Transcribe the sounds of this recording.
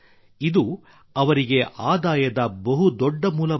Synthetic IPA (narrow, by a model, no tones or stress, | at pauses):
id̪u | ɐʋɐɾiɡe̞ʔaːd̪aːjɐd̪ɐbɐɦud̪ɔɖːɐmuːlɐ